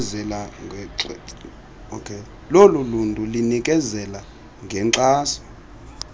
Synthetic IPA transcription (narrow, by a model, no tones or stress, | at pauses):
zɛlaŋʱɛǁ | okʰe | loluluntʼulinik̬ʼɛzɛla | ŋɡʱɛǀaːsɔ̥